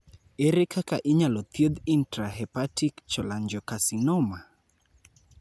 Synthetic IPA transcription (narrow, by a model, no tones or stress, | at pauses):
eɾekakaʔiɲalɔt̪jod̪intɾaɦɛpatikt͡ʃɔlaɲd͡ʒɔkasinɔma